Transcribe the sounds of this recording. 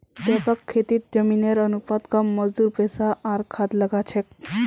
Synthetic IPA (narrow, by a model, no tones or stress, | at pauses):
d̪apakʰːet̪iːt̪̚d͡ʑəmineɾənupat̪ɡamːəd͡zd̪uːɾpɛsaːɾkʰat̪ləɡat͡ɕʰek̚